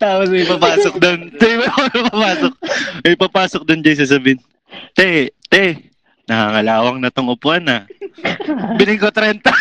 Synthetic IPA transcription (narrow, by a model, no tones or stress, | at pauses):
t̪aːposmɐjpapaːsok̚d̪ont̪ɛbɐɐnɐpapaːsok̚mɐjpapaːsok̚d̪ʊnd͡ʒɐjs̬as̬ɐbɪn | t̪ɛt̪ɛ | nɐhaŋɐlaːwɐŋnɐt̪oŋopoʔɐnɐ | bɪlɪŋkot̪ɾɛnt̪ɐ